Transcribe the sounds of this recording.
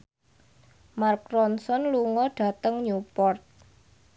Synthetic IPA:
markɾɔnsɔnluŋɔɖ̥a̤t̪əŋɲupɔrt̪̚

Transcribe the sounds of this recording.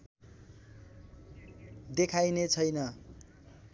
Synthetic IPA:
d̪ekʰajnet͡sʰʌjnʌ

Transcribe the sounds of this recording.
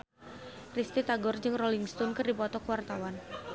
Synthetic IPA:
krist̪it̪aɡɔrd͡ʒɨŋroliŋst̪ɔnkɨrdipɔt̪ɔkəwart̪awan

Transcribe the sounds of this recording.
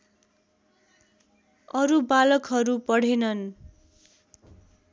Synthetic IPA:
ʌɾubalʌkɦʌɾupʌɽ̤enʌn

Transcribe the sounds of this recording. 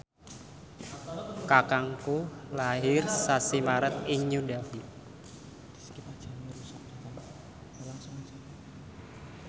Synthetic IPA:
kakaŋkulaɦɪrsasimaɾət̪iɲudafi | ipad͡ʒaɾusa | a | la

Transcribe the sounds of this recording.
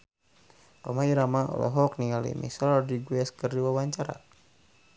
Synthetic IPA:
kɔmaiɾamaɔ̰lɔ̰ɦɔk̚niŋalḭmʔḭsalɔdiɡuɛskərdiwawaɲt͡ʃaɾa̰

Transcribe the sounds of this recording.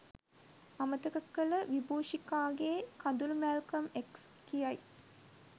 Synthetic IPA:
amət̪əkəkːələʋiboːʃikaːɡeːkand̪ulmælkɐmekskijaj

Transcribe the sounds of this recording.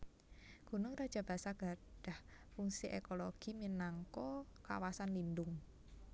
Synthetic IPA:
ɡ̥unʊŋɾad̥ʒ̥a̤b̥a̤saɡ̥a̤ɖ̥a̤hfuŋsiʔekoloɡ̥i̤minaŋkɔka̰wasanlindʊŋ

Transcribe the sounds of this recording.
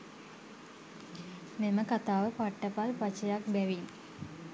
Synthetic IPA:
meməkat̪aːʋəpaʈːəpalpat͡ʃəjak̚bæʋin

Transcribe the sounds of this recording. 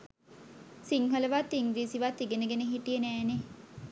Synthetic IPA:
siŋɦələʋat̪ːiŋɡɾiːsiʋat̪ːiɡenəɡeneɦiʈijənæːne

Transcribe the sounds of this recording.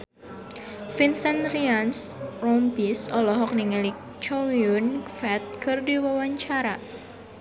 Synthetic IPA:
finsɛnriansrɔmbisɔlɔɦɔk̚niŋəlik̚ | t͡ʃowiunfɛt̪̚kɨrdiwəwaɲt͡ʃaɾa

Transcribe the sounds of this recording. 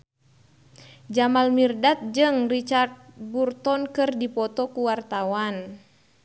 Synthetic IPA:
d͡ʒamalmirdat̪̚d͡ʒɨŋrit͡ʃart̪̚burt̪ɔnkɨrdipɔt̪ɔkuwart̪awan

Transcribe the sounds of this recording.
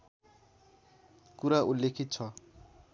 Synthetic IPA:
kuɾaʔulːekʰit̪̚t͡sʰʌ

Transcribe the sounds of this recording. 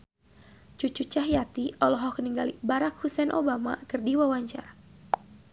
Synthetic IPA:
t͡ʃut͡ʃut͡ʃaɦjat̪iɔlɔɦɔhkəniŋɡalḭbaɾak̚husɛnʔobama̰kɨrdiwawaɲt͡ʃa̰r

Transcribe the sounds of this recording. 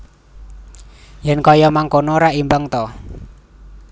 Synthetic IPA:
jɛnkɔjɔmaŋkonɔɾaʔimbaŋt̪ɔ

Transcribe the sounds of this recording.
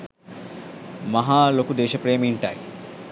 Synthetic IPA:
mɐɦaːlokud̪eːʃɐpɾeːmiɳʈaj

